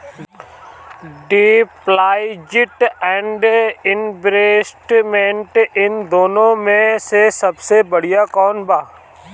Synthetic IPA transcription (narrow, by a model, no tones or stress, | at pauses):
ɖiplaːɪd͡ʒɪʈɛ̃ːɳɖɪnbɾeːsʈmẽɳʈɪnd̪oːnõmẽsesɐbsebɐɽ̤ijakɔːnbaː